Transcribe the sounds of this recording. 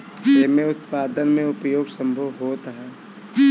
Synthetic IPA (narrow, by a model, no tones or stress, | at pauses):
seːmẽʊt̪̚paːd̪ənmẽʊpjoːɡsɐ̃mbʱəʋɦoːt̪əɦɛː